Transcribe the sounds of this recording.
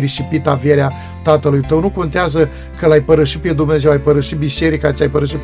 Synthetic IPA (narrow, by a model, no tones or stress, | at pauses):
ɾiʃipit̪avjeɾea | t̪at̪əlujt̪əwnuko̞nt̪eazə | kəlajpəɾəʃiped̪umne̞zewajpəɾəʃibiʃe̞ɾikat̪sʲajpəɾəʃit̪